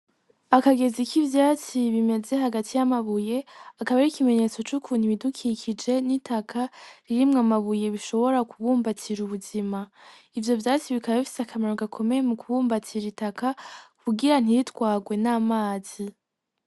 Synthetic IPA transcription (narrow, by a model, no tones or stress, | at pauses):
akaɡe̞zikʰivjaːt͡siβime̞ze̞ɦaɡatʰijamaβuje̞akaβaɾikime̞ɲe̞t͡so̞t͡ʃukʰuːn̥iβidukʰikʰid͡ʒe̞nitʰakʰaɾiɾimŋamaβuje̞βiʃo̞βo̞ɾakuβuːmbatiɾuβuzima | ivjo̞vjaːt͡siβikaβaβifi̥seakʰamaɾoɡakʰo̞me̞jemukuβuːmbatʰiɾitakakʰuɡiɾan̥iɾitwaːɡwe̞naːmaːz̥i